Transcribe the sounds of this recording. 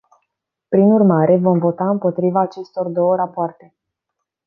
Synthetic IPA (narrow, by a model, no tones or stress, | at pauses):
pɾinurmaɾʔe̞vo̞mvo̞t̪aɨmpo̞t̪ɾivaːt͡ʃe̞st̪o̞rd̪o̞wəɾapoart̪e̞